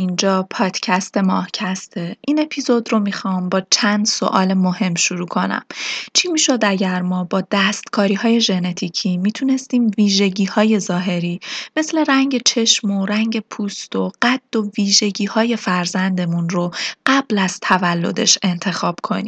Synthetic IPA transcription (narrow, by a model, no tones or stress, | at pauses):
ind͡ʒɒːpʰɒːd̪̥cʰæst̪e̞mɒ̰ːhcʰæst̪ʰeʔine̞pʰizo̞d̪ro̞mixɒːmbɒːt͡ʃʰænd̪so̞̰ʔɒ̰ːlemohe̞mːʃuɾuːkʰo̞næ̰mt͡ʃʰimiːʃo̞d̪æɟæɾmɒːbɒːd̪̥æst̪kʰɒːɾiːhɒːje̞ʒe̞ne̞t̪ʰicʰiːmiːt̪ʰune̞st̪iːmviːʒe̞ɟiːhɒːje̞zɒːɦe̞ɾiːme̞sle̞ɾæŋɟe̞t͡ʃʰe̞ʃmoɾæŋɟe̞pʰuːst̪o̞ɢ̥æd̪̥ːo̞viːʒe̞ɟiːhɒːje̞fæɾzænd̪e̞munroɢ̥æb̥læz̥t̪ʰævælːo̞̰d̪e̞̰ʃe̞nt̪ʰe̞xɒːb̥kʰo̞̰niː